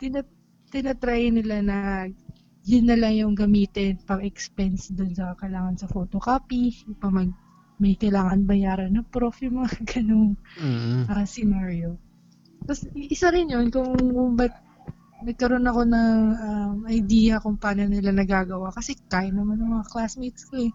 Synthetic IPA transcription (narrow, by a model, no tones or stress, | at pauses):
t̪ɪnɐ | t̪ɪnɐt̪ɾaːjɐnɪlanɐ | jʊnːɐlajʊŋɡɐmiːt̪ɪnpɐɡɛkspɛnsd̪onsɐɐkɐɪlaːŋɐnsɐfo̞ːt̪o̞kaːpiʊpɐmɐɡ̚ | mɐjkɐjlaːŋɐnbɐjaːɾɐnːɐpɾo̞fjʊmɐŋaɡɐno̞n | ɐsɪnaɹjo̞ | t̪ɐsʔɪsaɾɪnjonkʊŋʊbɐt̪̚ | nɐɡ̚kɐɾo̞nɐko̞nɐŋʔɐmɐjd̪iːjɐkʊŋpaːnonɪlanɐɡaːɡɐwakɐsɛkaːjɐnɐmanɐŋmɐŋaklasmit̪skoɛ